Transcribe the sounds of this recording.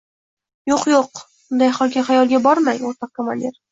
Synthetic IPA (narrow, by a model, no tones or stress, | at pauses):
joqjoqbʊnd̪ajχɒlˠkʲaajɒlˠɡʲabɒɾmajoɾt̪ʰɑq̚kʰamalʲd̪eɾ